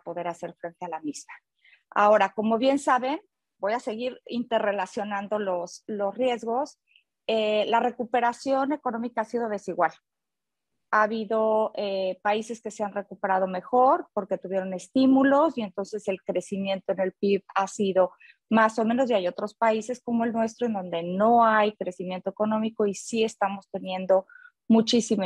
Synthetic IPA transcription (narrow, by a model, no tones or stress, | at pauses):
po̞ðe̞ɾase̞ɾfɾe̞nt̪e̞alamizma | a̰o̞ɾako̞mo̞βje̞nsaβe̞n | bo̞jase̞ɣiɾḭnt̪e̞ɾre̞lasjo̞nãnd̪o̞loslo̞srje̞zɣo̞s | elare̞kupe̞ɾasjo̞neko̞nõ̞mikaasið̞o̞ð̞e̞siɣwal | aːβiðo̞epaise̞ske̞seanrekupe̞ɾað̞o̞me̞xo̞ɾpo̞ɾke̞t̪uβje̞ɾo̞ne̞st̪imulo̞sie̞nt̪o̞nse̞se̞lkɾe̞simjẽ̞nt̪oene̞lpiβasiðo̞ | maso̞mẽno̞sjajo̞t̪ɾo̞spaise̞sko̞mo̞e̞lnwe̞st̪ɾoend̪o̞nd̪e̞no̞ajkɾe̞simje̞nt̪oeko̞nõ̞miko̞isie̞st̪amo̞st̪e̞njẽ̞nd̪o̞ | mut͡ʃisim